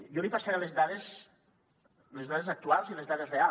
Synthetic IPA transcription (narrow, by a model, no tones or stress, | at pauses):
jɔlipasaɾelezðaðes | lezðaðezak̚t̪ualˠzilezðaðezrea